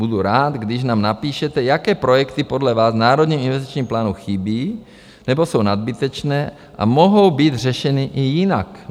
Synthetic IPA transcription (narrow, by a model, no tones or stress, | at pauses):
buduɾaːt̪ɡdɪʃnaːmnapiːʃɛt̪ɛjakɛːpɾojɛkt̪ipodlɛvaːznaːɾod̪ɲiːminvɛst̪i̥t͡ʃɲiːmplaːnuxibiː | nɛbo̞sownad̪̚bit̪ɛt͡ʃnɛː | ʔa̰moɦowbiːd̪r̝ɛʃɛnɪʔɪjɪnak